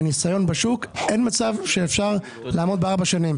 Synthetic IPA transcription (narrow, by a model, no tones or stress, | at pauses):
nisajo̞nbeʃukʔe̞nmat͡savʃeːfʃaʁ | laːmo̞d̪beaʁbaʃanim